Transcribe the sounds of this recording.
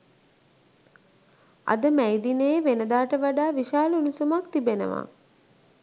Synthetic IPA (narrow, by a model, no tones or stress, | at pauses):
a̰d̪əmæjd̪inəjeʋenəd̪aːʈəʋaɖaːʋiʃaːləunusumakt̪ibenə̰ʋa̰